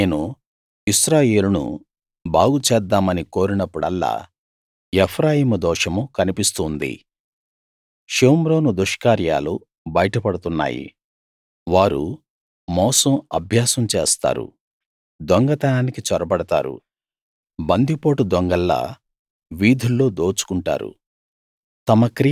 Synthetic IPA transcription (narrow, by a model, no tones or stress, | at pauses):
neːnu | isɾaːjeːlunṵ | baːɡut͡ʃɛːd̪ːaːmɐniko̞ːɾinɐpːuɽɐ̰lːa̰ː | epʰɾaːjiːmud̪ɔːʂɐmukɐnipist̪uːnd̪ḭ | ʃeːmɾo̞ːnud̪uʂkaːɾja̰ːlu | bɐjɐʈɐpɐɽut̪unːa̰ːjḭ | ʋaːɾṵ | mɔːsɐmɐ̰bʱjaːsɐmt͡ʃḛːst̪a̰ːɾṵ | d̪ɔŋɡɐt̪ɐnaːnikit͡ʃɔɾɐbɐɽɐt̪a̰ːɾṵ | bɐnd̪ipo̞ːʈud̪ɔŋɡɐlːa̰ː | ʋiːd̪ʱulːo̞ːd̪o̞ːt͡ʃu̥kuɳʈa̰ːɾṵ | t̪ɐmɐkɾi